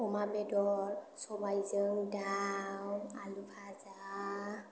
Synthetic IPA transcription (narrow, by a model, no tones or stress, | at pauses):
ɔmabɛdɔɹsɔbajzəŋdawalupʰaza